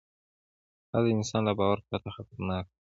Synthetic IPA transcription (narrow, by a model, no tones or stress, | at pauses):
ha̰d̪aɪnsɑnlabɑwaɾpat̪axat̪aɾnɑk̚